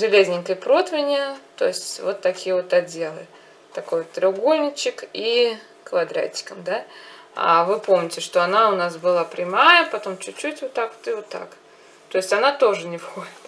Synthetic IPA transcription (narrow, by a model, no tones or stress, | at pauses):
ʐɨlʲezʲnʲɪŋkəjpɾo̞t̪vʲɪnʲɪjət̪o̞̰ɪsʲtʲvo̞t̪ːɐkʲijəvo̞t̪ɐdʲːe̞lˠɨ̰ | t̪ɐko̞jt̪ʲːɾʲɪʊɡo̞lʲnʲɪt͡ɕɪki | kvɐd̪ɾa̰tʲːɪ̥kəmd̪a | a̰vɨpo̞mnʲɪtʲɪʂt̪o̞ɐnaʊnasbɨlˠapɾʲɪmajəpɐt̪o̞mt͡ɕʉt͡ɕːutʲvot̪ːakvo̥t̪ɨvot̪ːa̰k | t̪o̞ɪsʲtʲɐnat̪o̞ʐɨnʲɪfxo̞dʲɪt̪